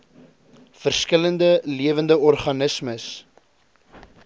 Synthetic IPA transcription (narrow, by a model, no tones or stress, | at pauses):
fərskələndəliəvəndəɔrχɐnəsməs